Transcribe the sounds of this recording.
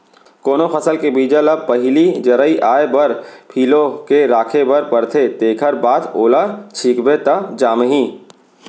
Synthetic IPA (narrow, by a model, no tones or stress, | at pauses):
koːnoxɐsəlkebiːd͡ʒələb̚pɐɦɪlid͡ʒɐɾəiʔaːebɐɾpʰiːlokeɾaːkʰebɐɾpəɾt̪ʰet̪eːkʰəɾbaːt̪oːlat͡ʃʰiːkbet̪ɐd͡ʒaːmɦĩː